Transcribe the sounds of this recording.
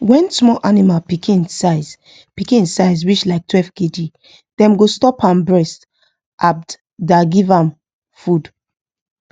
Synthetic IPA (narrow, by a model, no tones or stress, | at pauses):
wɛ̃nsmɔʔanimapikʰĩnsaɪz | pikĩnsaɪzwit͡ʃlaɪk̚twɛfked͡ʒi | d̥ɛ̃mɡostɔpãmbɹɛst | ʔab̚d | daɡivãm | fud